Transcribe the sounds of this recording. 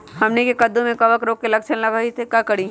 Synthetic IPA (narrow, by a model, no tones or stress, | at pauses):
hɐmnekekɐd̪ːõmẽkɐʋəkɾoːk̚kelɐkʃənlɐɡaːit̪ʰekakɐɽ̤i